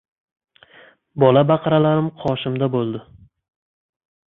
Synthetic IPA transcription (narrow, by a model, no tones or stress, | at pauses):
bɒlabaqʰɑɾalaɾɪmqʰɒʃɪmd̪abolˠd̪ɪ